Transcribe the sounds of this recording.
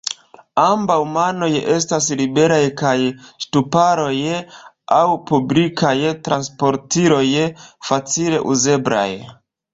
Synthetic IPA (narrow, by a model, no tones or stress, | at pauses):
ambawmano̞je̞s̬tas̬libe̞ɾajkajstupaɾo̞j | awpublikʰajtɾanspo̞ɾtiɾo̞jfat͡sile̞ʔuze̞bla̰j